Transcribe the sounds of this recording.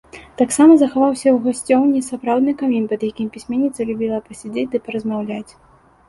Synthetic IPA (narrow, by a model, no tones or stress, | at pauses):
t̪aksamɐzɐxavawsʲɐwɣasʲt͡sʲɔwnʲisapɾawd̪nɨkamʲinpɐd̪jakʲimpʲisʲmʲɛnʲːit̪sɐlʲubʲilˠɐpɐsʲad͡zʲed͡zʲd̪ɨpɐɾɐzmawlʲat͡sʲ